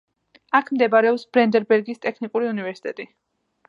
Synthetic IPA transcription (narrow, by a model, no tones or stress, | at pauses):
akʰmd̪ɛbaɾɛɔpsb̥ɾɛnd̪ɛɾbɛɾɡist̪ʼɛkʰnikʼuɾiunivɛɾsi̥t̪ʼɛt̪ʼi